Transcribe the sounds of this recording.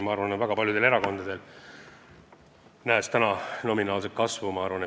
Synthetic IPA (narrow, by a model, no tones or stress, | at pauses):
mɑɑɾvɑnevæɡ̥ɑpɑljud̪̥e̞leɾɑko̞nd̪ɑd̪̥e̞l | næest̪ænɑno̞minɑːls̬et̪̚kɑsvumɑɑɾvɑne